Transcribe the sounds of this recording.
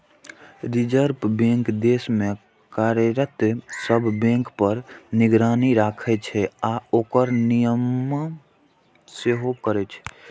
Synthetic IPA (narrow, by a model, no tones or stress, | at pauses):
ɾid͡ʒəɾpbẽŋkd̪esme | kaɾɾət̪səbʱbẽŋkpəɾniɡɾaːniɾakʰɛt͡ʃʰɛaokəɾnijəmː | seɦokəɾɛt͡ʃʰɛ̥